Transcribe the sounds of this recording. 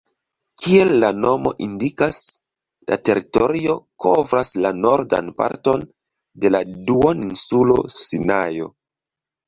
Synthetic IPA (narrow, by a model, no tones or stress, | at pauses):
kʰie̞lːano̞mo̞ʔindikas | la̰te̞ɾito̞ɾio̞kʰo̞vɾaslano̞ɾda̰npa̰ɾto̞n | de̞laduoninsulo̞̰sinajo̞̰